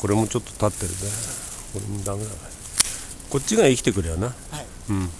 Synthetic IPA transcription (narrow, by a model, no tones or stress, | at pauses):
ko̞ɾe̞mo̞t͡ɕo̞t̪ːo̞̥t̪at̪ːeɾɯ̰ne | koɾemod̪aŋɡɯnaa | ko̞t͡ɕ͈ːiɡaikʲi̥t̪e̞kɯɾejona | ɯ̃